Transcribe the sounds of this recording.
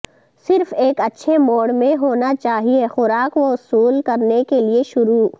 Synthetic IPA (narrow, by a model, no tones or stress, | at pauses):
sɪɾfeːkɐtːʃʰemoːɽmẽɦoːnat͡ʃaːɦiexʊɾaːkʋoɦʊsuːlkɐɾnekelieʃʊɾuː